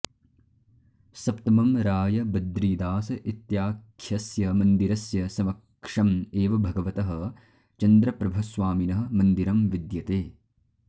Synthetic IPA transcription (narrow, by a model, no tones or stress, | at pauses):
sɐp̚t̪ɐmɐmɾaːjɐbɐd̪ɾiːd̪aːsɐʔit̪jaːkʰjɐsjɐmɐnd̪iɾɐsjɐsɐʋɐk | ʂɐmeːʋɐbʱɐɡɐʋɐt̪ɐɦɐ̆ | t͡ʃɐnd̪ɾɐpɾɐbʱɐsʋaːminɐɦɐ̆mɐnd̪iɾɐmʋid̪jɐt̪eː